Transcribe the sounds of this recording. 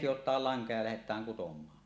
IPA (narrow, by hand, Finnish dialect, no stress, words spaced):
sijotˑɑːl lɑŋkɑ jɑ læhetˑæːŋ kutomˑɑː